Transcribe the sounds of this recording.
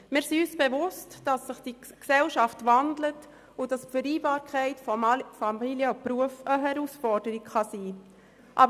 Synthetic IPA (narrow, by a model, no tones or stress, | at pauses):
mɪːɾsiyːsb̥evʊstd̥ɑsːəχd̥iksɛlʃɑftvɑndlət | ʊdɑsfəɾiːbɑːɾkʰɛɪtfɔfɑmiljəɔpɾuəfəɦɛɾusfɔɾdəɾikχɑsiː | ʔɑ̰bə